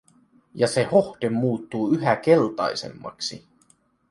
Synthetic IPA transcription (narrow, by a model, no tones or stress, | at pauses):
jɑse̞ho̞hd̪emːuːt̪ːuːyɦæk̟e̞lt̪ɑ̰jse̞̰mːɑ̰ksi